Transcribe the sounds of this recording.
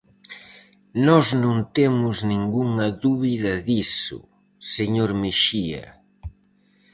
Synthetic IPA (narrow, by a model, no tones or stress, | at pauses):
nɔznũnt̪emʊznĩŋɡuŋɐðuβiðɐðisʊ̰ | seɲoɾmeʃiɐ̰